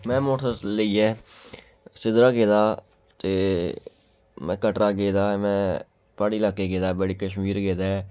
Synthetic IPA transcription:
mɛ̃ːmoːʈʰələiːɛː | sɪd̪ɾaːɡeːd̪aː | t̪eː | mɛ̃ːkəʈɾaːɡeːd̪aːmɛ̃ː | paːɽiːlaːkeːɡeːd̪aːbəɽiːkəʃmiːɾɡeːd̪aːɛ

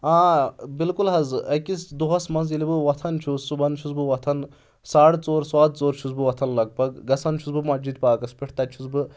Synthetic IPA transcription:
ãːbilkulɦɐzɨʔɐkisd̪uɦɐsmɐnz̬ilibɨʋɐt̪ʰɐnt͡ʃʰusubɐnt͡ʃʰuzbɨʋɐt̪ʰɐn | saːɽt͡soːɾswaːd̪̚t͡soːɾt͡ʃʰuzbɨʋɐt̪ʰɐnlɐɡ̚pɐɡɡɐsʰɐnt͡ʃʰuzbɨmɐd͡ʒid̪̚paːkɐspʲiʈʰt̪ɐt͡ʃʰuzbɨ

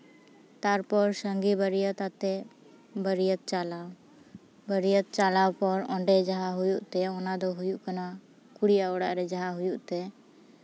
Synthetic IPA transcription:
t̪aɾpɔɾsəŋɡibəɾijət̪at̪ɛ | bəɾijət̪̚t͡ʃalaw | bəɾijət̪̚t͡ʃalawpɔɾɔ̃ɳɖɛd͡ʒaɦaɦujuʔt̪ɛɔnad̪ɔɦujuʔkana | kuɽijaɔɽaʔɾɛd͡ʒaɦaɦujuʔt̪ɛ

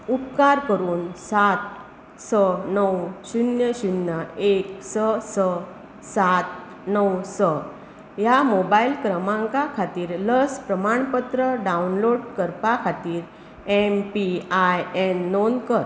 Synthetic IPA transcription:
ut̪kaɾkəɾuːnsat̪̚ | sənəwɕunjəɕunjəeksəsə | sat̪̚ | nəwsə | jamobailkɾəmãŋkakʰat̪iːɾləspɾəmaɳpət̪ɾəɖaunloɽkəɾpakʰat̪iːɾ | ɛmpiajɛnːonkəɾ

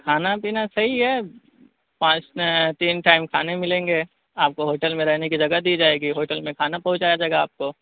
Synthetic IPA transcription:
kʰaːnapiːnasɐɦiɦɛː | pãːt͡ʃt̪iːnʈaːɪmkʰaːnemɪlẽːŋɡeː | aːp̚koɦoːʈəlmẽɾɛɦnekid͡ʒɐɡad̪iːd͡ʒaːeːɡiɦoːʈəlmẽkʰaːnapɐ̃ɦʊ̃t͡ʃaːjad͡ʒɐɡaaːp̚ko

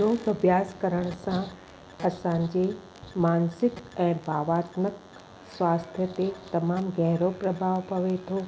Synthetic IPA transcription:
oːɡəbʱjaːskəɾəɽ̃sã | ɐsãɲd͡ʑe | maːnsɪkɛ̃ːbʱaːʋaːt̪nək | sʋaːst̪ʰjət̪et̪ɐmaːmɡɛɦɾopɾɐbʱaːʋpɐʋet̪ʰo

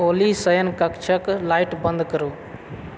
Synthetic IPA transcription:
oːlisəjənkɐkt͡ʃʰəklaːɪʈbə̃nd̪kəɾuː

